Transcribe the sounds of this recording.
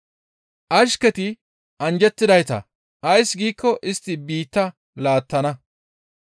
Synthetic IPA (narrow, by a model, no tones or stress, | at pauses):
ʔɐʃkɛt̪ɪ | ʔɐnd͡ʒɛt̪ːɪd̪ɐjt̪ɐ̰ | ɐjsɡiːkːɔʔɪst̪ːɪbiːt̪ːɐ | laːt̪ːɐnɐ